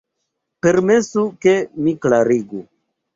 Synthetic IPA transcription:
pe̞ɾme̞suke̞miklaɾiɡu

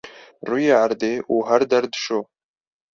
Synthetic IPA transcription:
ruːjeːʕaɾd̪eːʔuːɦæɾd̪ɛɾd̪ɨ̥ʃoː

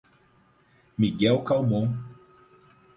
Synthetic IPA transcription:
miɡɛlkawmõŋ

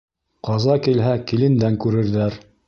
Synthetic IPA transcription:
qɑzɑkilɦækilɘ̆nd̪æŋkʉɾɘ̆ɾðæɾ

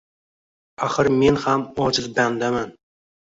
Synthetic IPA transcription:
aχɨɾme̞nhamɒd͡ʒɪzband̪aman

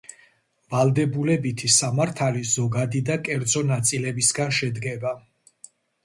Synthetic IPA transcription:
valˠd̪ɛbulɛbit̪ʰisamaɾt̪ʰalizɔɡad̪id̪akʼɛɾd̪zɔnat̪sʼilɛbisɡanʃɛd̪ɡɛba

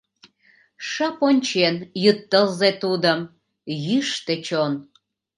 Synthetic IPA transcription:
ʃɑponʲt͡ɕenjyt̪ːəlzet̪ud̪əm | jyʃt̪et͡ɕon

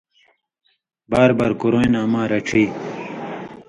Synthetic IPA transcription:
baːɾbaɾkuɾojnaːmaːɾɐʈ͡ʂʰiː

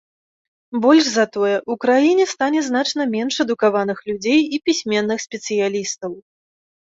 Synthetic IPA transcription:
bɔlʲʂzɐt̪ɔjɛʔukɾajinʲɛst̪anʲɛzn̪at͡ʂnɐmʲɛnʂɛd̪ukavanɨxlʲud͡zʲejipʲisʲmʲɛnːɨxsʲpʲɛt̪sɨjalʲist̪ɐw

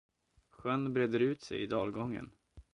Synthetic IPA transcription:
ɧœnːbɾɛd̪əɾʉ̟ːt̪sɛ̰jɪd̪ɑːlɡɔŋːə̰n

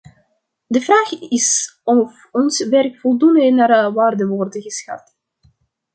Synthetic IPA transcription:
dəvraːχɪsɔf | ɔnsʋɛrkfɔlˠdundnaːrʋaːrdəʋɔrdəɣəsxa̰t

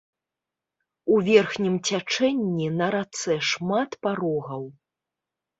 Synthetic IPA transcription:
uvʲɛrxnʲimt͡sʲat͡ʂɛnʲːinɐɾat̪sɛʂmat̪paɾɔɣɐw

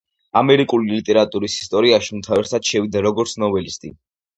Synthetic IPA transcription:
amɛɾikʼulilit̪ʼɛɾat̪ʼuɾisi̥st̪ʼɔɾiaʃimt̪ʰaɛɾt̪ʰad̪ʃɛvid̪aɾɔɡɔɾt̪sʰnɔbɛlist̪ʼḭ

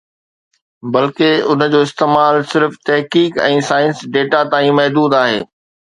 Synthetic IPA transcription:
bɐlkeʊnə̆d͡ʑoːɪst̪eːmaːlsɪɾft̪ɛɦkiːkɛ̃ːsaːɪ̃nsɖeːʈat̪aːĩmɐɦd̪uːd̪aːɦḛː

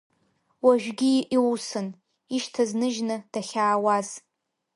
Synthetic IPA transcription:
waʒᶣɡʲiʔiwsɨn | iʃtʰaznɨʒnɨd̥aχʲaːwaz

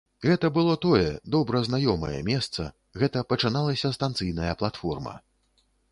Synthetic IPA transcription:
ɣɛt̪ɐbɨlˠɔt̪ɔjɛd̪ɔbɾɐznajɔmɐ̰jɐ̰mʲɛst̪sɐ̰ | ɣɛt̪ɐpɐt͡ʂɨnalˠɐsʲɐst̪ant̪sɨjnɐjɐplˠat̪fɔrmɐ̰

